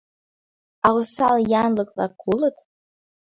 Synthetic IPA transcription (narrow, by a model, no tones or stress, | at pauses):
awsaljanlɨkʼlakʷʰulɨtʼ